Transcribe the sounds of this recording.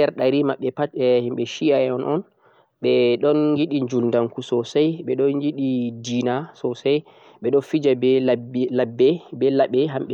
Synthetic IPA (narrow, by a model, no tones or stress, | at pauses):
ɛɾɗaɾimaɓːɛpatɛhimɓɛʃiaɛɔnʔɔn | ɓɛɗɔnjiɗiɲd͡ʒulndaŋkusɔsajɓɛɗɔnjiɗidinasɔsaj | ɓɛɗɔnfid͡ʒablabːɛbɛlaɓɛɦamɓɛ